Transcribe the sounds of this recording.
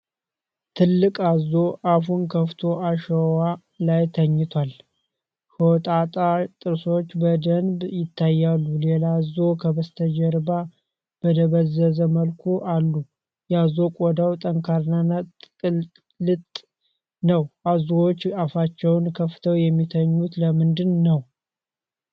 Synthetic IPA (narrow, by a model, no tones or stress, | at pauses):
t̪ʰɨlːɨkʼazo̞ʔafunkʰəft̪ʰo̞ʔaʃəwa | lajt̪ʰəɲːɪt̪ʰwal | kəwɔt̪ʼat̪ʼat̪ʼɨɾso̞t͡ʃːbəd̪ənbjɪt̪ʰːajːalːulelazokʰəbəst̪ʰəd͡ʒɛɾba | b̥əd̪əβəzːəzəməlkʰuʔalːu | jazo̞kʷʼod̪awt̪ʼəŋkʰaɾnanatʼɨl | lɨt̪ʼ | nəwazuwot͡ʃːafat͡ʃːɛwnkʰəft̪ʰəwjɛmːit̪ʰəɲːut̪ləmɨnd̪ɨnːəw